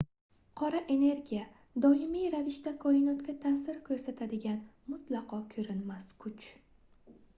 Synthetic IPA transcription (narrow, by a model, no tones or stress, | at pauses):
qʰɒɾaʔe̞ne̞ɾɡʲija | d̪ɒɪmijɾavɪʃt̪akʰɒɪnɒt̪kʲat̪ʰasɪɾkʰʲɵɾsat̪ʰad̪ɪɡʲanmʊt̪lˠɑqʰɒkʲʰɵɾɪnmaskʰʊt͡ʃ